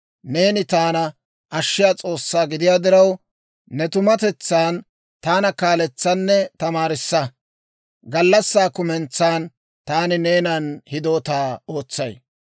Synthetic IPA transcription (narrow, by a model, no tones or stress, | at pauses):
ne̞ːnɪt̪aːnɐ | ʔɐʃːɪjaːt͡sʼo̞ːsːaːɡɪd̪ɪjaːd̪ɪɾɐw | nɛt̪ʊmɐt̪ɛt͡sːaːn | t̪aːnɐkaːlɛt͡sːɐnːɛt̪ɐmaːɾɪsːɐ | ɡɐlːɐsːaːkʊmɛnt͡sːaːn | t̪aːnɪneːnɐnhɪd̪o̞ːt̪aːo̞ːt͡sːɐj